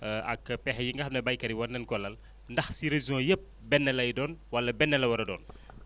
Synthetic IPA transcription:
ɐ̰kpɛxɐjiŋɡɐɐmnɐbɐjkɐɾiwɐnːɛnkɔlɐl | ndɐxsiɾeziɔ̃ːjəp̚ | bɛnːɛlɐjdɔːnwɐlɐbɛnːɛlɐwɐɾɐdɔ̰ːn

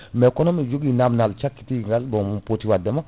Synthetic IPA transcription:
mekonomid͡ʒoɡinamnalt͡ʃakːi̥tiŋɡalbomumpotiwadɛma

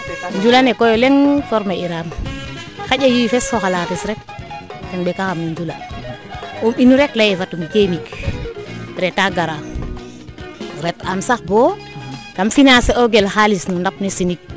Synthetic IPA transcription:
ɲd͡ʒulanekojoleŋfɔɾmaiɾam | xaɟajuifesoxalatisɾek̚tɛŋbekaxamniɲd͡ʒula | ominuɾeklajefatumkemik | ɾetaɡaɾa | uɾetamsaxbo | kamfinaseoɡelxalisnundap̚nesinik̚

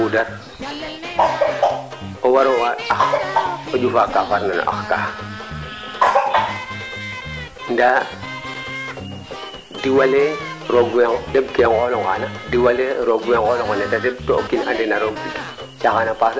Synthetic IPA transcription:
udaɾ | owaɾowaaxod͡ʒufakafaɾnano̰ʔa̰xka | nda | diwale | ɾoɡwedebkeŋɡoloŋanadiwaleɾoɡeŋɡoloŋɡanatadeb̚tookːina̰ndenaɾoɡbik | t͡ʃaxanapas

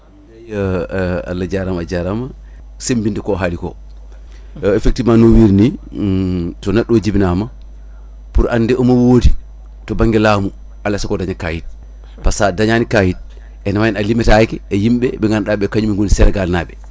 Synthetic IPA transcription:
aj | a̰lːad͡ʒaɾamad͡ʒaɾama | sembindɛkɔɦalikɔ̰ | ɛfek̚timanowiɾni | tɔnɛɗːɔd͡ʒibinama | puɾʔanːdɛʔɔmawoːdi | tɔbaŋɡɛlaːmu | alːasakɔdaɲakaːjit̚ | pasadaɲanikahit̚ | ʔɛnamajɛnalimɛtajkɛːjimɓɛbɛŋɡanɗaɓɛkaɲumiŋɡonisɛɾɛɡalnabɛ

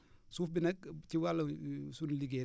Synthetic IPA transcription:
suːfbɪnɛk̚t͡ʃiwalɐsunliɡe

